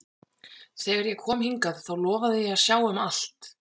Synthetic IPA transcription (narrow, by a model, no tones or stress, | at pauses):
θɛːɣaɾjɛɣkʰɔːmhiŋkaðθawlɔːvaðɪjɛaðsjaːwʏmal̥t̪